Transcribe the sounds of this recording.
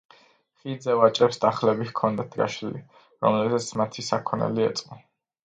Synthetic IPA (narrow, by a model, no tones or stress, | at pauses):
χid̪zɛvat͡ʃʼɾɛpsd̪aχlɛbikʰɔnd̪at̪ʰɡa̰ʃilḭ | ɾɔ̰mlɛbzat̪sʰmat̪ʰisakʰɔnɛ̰liɛt̪sʼqʼɔ